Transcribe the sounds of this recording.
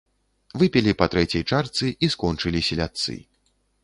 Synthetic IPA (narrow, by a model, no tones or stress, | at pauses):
vɨpʲɛlʲipɐt̪ɾɛt͡sʲɐjt͡ʂart̪sɨʔiskɔnt͡ʂɨlʲisʲɛlʲat̪sɨ̰